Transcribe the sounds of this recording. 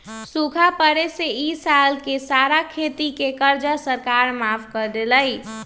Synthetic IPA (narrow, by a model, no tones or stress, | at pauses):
sukʰapəɾeseisalkesaɾakʰet̪ikekəɾd͡ʒasəɾkaɾmapʰkəɾd̪eləj